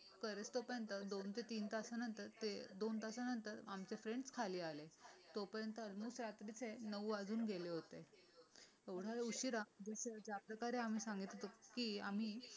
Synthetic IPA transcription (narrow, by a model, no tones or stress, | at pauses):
kəɾet͡st̪opəɾjənt̪əd̪ont̪ʰet̪iːnt̪asanənt̪əɾt̪ed̪ont̪asanənt̪əɾamt͡ɕefɾeɳɖskʰaliːalet̪opəɾjənt̪əlmuːsɾat̪ɾit͡senəʋʋad͡zuːnɡeleɦot̪e | eʋɽ̤aeuɕiɾad͡zəɕed͡ʑjapɾəkaɾeam̤iːsãŋɡit̪t̪okiːam̤iː